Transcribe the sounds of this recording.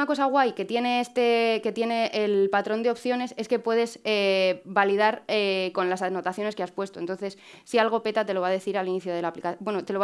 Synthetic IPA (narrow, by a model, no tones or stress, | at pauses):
ako̞saɣwajke̞t̪jene̞est̪eke̞t̪jene̞ʔelpat̪ɾo̞nd̪eo̞pθjo̞ne̞se̞ske̞pwe̞ðe̞zebaliðaɾeko̞nlasano̞t̪aθjo̞ne̞ske̞aspwe̞st̪o̞nt̪o̞nθe̞ssialɣ̞o̞pe̞t̪at̪e̞lo̞βaðe̞θiɾaliniθjoð̞elaplikabwe̞not̪e̞lo̞